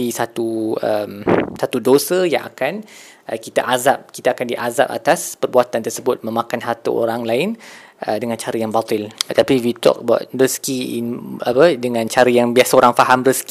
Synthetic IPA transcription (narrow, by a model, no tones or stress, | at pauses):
isat̪uəmsat̪udosəja̰ŋʔa̰kan | ʔəkit̪aʔazap̚kit̪aːkandiʔaza̰p̚a̰t̪aspərbuat̪ant̪ərsəbʊt̪̚mə̃mãkanɦart̪ə̰ʔo̰ɾaŋlaɪnʔədəŋãnt͡ʃaɾəjaŋbat̪ɪlət̪apiwit̪ɔ̰k̚ba̰t̪̚rəskiḭnapədəŋãnt͡ʃaɾəjaŋbiasaoɾaŋfaɦamrəsk